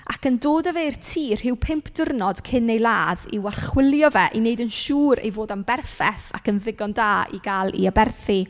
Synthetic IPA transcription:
akəndoːdəveɨrtʰiːr̥hɪwpʰɪmpʰd̥ʊrnɔd̥kʰɪnejlˠaːðiwarχwɪlˠjɔvɛʔineɨdənʃuːɾḛjvoːdambɛrfɛθa̰kənðɪɡɔndaːḭɡaːlˠḭabɛrθi

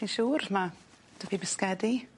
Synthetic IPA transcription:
inʃuːrma | d̥əpʰibɪskɛdi

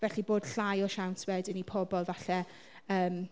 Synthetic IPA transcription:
vɛɬiboːd̥ɬajɔʃawntʰwɛdənipʰɔbɔlˠvaɬɛ | əːm

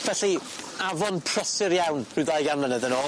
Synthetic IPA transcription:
vɛɬi | avɔnpʰr̥əsɪɾjawnrɨðajɡamlənɛðənoː

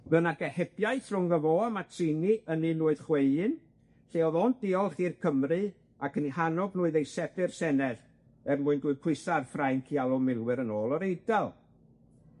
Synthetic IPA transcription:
mɛnaɡɛhɛb̥jajθrʊŋɡəvoamatʰrɪniʔəninuːɨð̥χweɨɨn | ɬeːɔðɔnd̥ɪɔlˠχiːrkʰəmrɨ | akʰənihanɔbnuːɨðejsɛb̥ɪrsɛnɛð | ɛrmuɨnduːɨpʰɨsarfrajnkʰialˠɔmɪlˠwɨɾənoːlˠɔɾejdalˠ

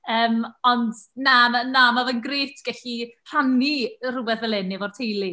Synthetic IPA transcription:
əːmɔndnamanamavənɡreːtʰɡ̥ɛɬir̥anirʊwɛðvɛlˠɪnːivɔrtʰejlˠi

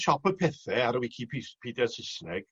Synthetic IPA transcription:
ʃɔpəpʰɛθɛaɾəwɪkʰipʰispʰidɛsɪsnɛɡ̥

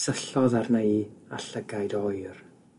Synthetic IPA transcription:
səɬɔðarnəɨaɬəɡajdɔjr

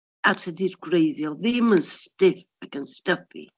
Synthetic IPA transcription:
atʰədirɡrejðjɔðɪmənstɪf | akənstəpḭ

